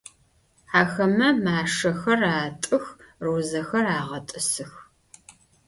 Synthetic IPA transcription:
ħaːxɐmɐmaːʂɐxɐraːtʼɨxroːzɐxɐraːʁɐtʼɨsɨx

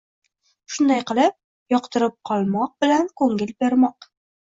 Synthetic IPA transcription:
ʃʊnd̪ajqɨlˠɪp̚ | jɒqt̪ʰɪɾɪp̚qʰɒlˠmɒq̚bɪlankʰɵŋɪlbe̞ɾmɒq

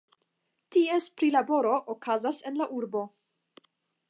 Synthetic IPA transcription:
tiespɾilabo̞ɾo̞ʔokazase̞nlaʔuɾbo̞

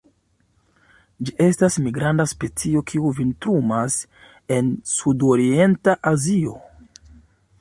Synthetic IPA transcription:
d͡ʒiʔe̞stasmiɡɾandaspe̞t͡sio̞kʰiuvintɾumas | e̞nsudo̞ɾie̞ntaʔazio̞

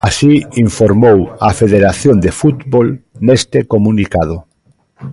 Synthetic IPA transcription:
asiiɱfoɾmowafeðeɾaθjond̪efut̪bolnest̪ekomũnikað̞ʊ

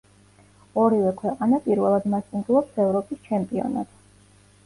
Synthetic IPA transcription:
ɔɾivɛkʰwɛqʼanapʼiɾvɛlˠad̪mast̪ʼunɡ̪lˠɔpsɛvɾɔpʼist͡ʃʰɛmpʼiɔ̰na̰t̪

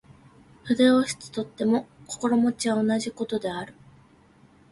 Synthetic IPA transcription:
ɸɯ̟d̪e̞oɕi̥t͡sɨ̥t̪o̞t̪ːe̞mo̞ko̞̥ko̞ɾo̞mo̞t͡ɕiβao̞naʑiko̞t̪o̞d̪e̞aɾɯ̟

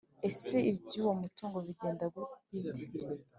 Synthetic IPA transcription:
e̞se̞ibɟuwo̞mutuːŋɡo̞βiɟe̞ːndaɡwukite̥

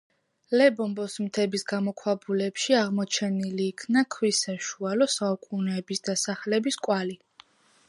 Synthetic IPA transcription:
lɛbɔmbɔsmt̪ʰɛbisɡamɔkʰwabulɛpʃiaʁmɔt͡ʃʰɛniliːkʰnakʰwisaʃualɔsaukʼunɛːbisd̪̥asaχlɛbiskʼwali

